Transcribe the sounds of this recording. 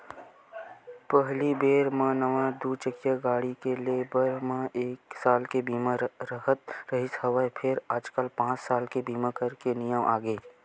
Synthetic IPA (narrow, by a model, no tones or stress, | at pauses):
pəɦlibeːɾmãnəʋãd̪ut͡ʃəkjaɡaːɽikeleːbəɾmãʔeːksaːlkebiːmãɾəɦət̪ɾəɦɪshəʋəepʰɪɾaːd͡ʒkəlpãːt͡ʃsaːlkebiːmãkəɾkenijəmʔa̰ːɡəː